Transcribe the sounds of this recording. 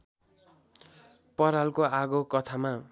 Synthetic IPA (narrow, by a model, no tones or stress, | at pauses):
pʌɾalkoaɡokʌt̪ʰama